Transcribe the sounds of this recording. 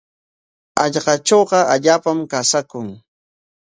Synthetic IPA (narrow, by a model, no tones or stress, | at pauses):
ɑʎɢɑʈ͡ʂoːɢɑaʎaːpamkasakʊŋ